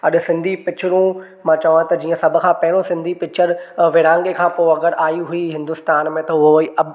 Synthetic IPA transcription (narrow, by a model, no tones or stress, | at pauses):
ɐɗ̆sɪ̃nd̪ʱipɪt͡ɕʰʊɾũ | mãːt͡ɕɐʋãt̪ɐd͡ʑiːə̃sɐbʱʊ̆kʰãːpɐɦɪɽ̃õsɪ̃nd̪ʱipɪt͡ɕʰəɾʋɪɽãːŋɡekʰãːpoːɐɡəɾʔaːjiɦuiɦɪ̃nd̪ʊst̪aːnmẽt̪ɐɦʊɦoiʔɐb